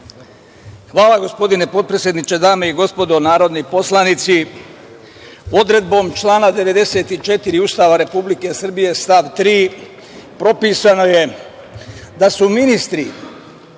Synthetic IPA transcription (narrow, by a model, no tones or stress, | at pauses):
xʋaːlaɡo̞spo̞d̪ine̞po̞t̪̚pɾesje̞d̪nit͡ʃe̞d̪aːme̞iɡo̞spo̞d̪onaːɾo̞d̪nipo̞slˠanit̪si | o̞d̪ɾe̞d̪̚bo̞ːmt͡ʃlˠaːnad̪e̞ʋe̞d̪e̞se̞ːt̪it͡ʃe̞t̪iɾiuːst̪aːʋaɾe̞publike̞sr̩bije̞st̪aʋt̪ɾiː | pɾo̞piːsano̞je̞ | d̪asuminist̪ɾi